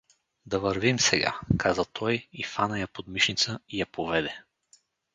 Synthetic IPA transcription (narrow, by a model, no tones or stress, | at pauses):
d̪ɐvɐɾvimsɛɡa̰kʰazɐt̪ʰɔjifanəjapod̪miʃnit̪səijɐpovɛd̪ɛ